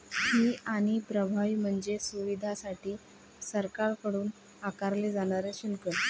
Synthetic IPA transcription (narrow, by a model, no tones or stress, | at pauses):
hiːaɽ̃ipɾəbʱaʋiːm̤əɳd͡zesuʋid̪ʱasaʈʰiː | səɾkaɾkəɽuːn | akaɾled͡zaɽ̃aɾeɕilkə